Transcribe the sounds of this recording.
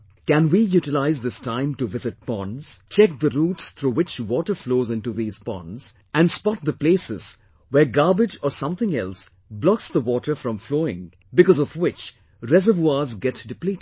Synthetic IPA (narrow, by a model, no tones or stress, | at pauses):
kæ̃nwijuʈɪlaɪzd̪ɪstãɪ̃mʈuvɪzɨt̚pɔ̃nz̥t͡ʃɛk̚d̪əɾuːtst̪ʰɾuːwɪt͡ʃwɔːʈə˞floːzɪ̃nʈuðiːz̥pɔ̰̃nz̥ | æ̃nspɔt̪̚d̪əpleːsɪz̥ | wɛɡaɹbɪd͡ʒɔsʌ̃mθɪ̃ŋɛls | blɔksðəwɔʈə˞fɾɔ̃mfloːɪ̰̃ŋ | bɪkɔzɔvwɪt͡ʃ | ɾɛzəvuazɡɛtdɪplitɪd̥